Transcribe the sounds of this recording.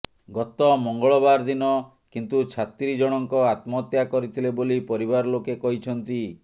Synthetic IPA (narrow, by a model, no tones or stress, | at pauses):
ɡɔt̪ɔmɔŋɡɔɭɔbaɾd̪inɔ | kint̪ut͡ʃʰat̪ɾid͡ʒɔɽ̃ɔŋkɔat̪mɔt̪jakɔɾit̪ʰilebolipɔɾiβaɾɔlokekɔɦit͡ʃʰɔnt̪i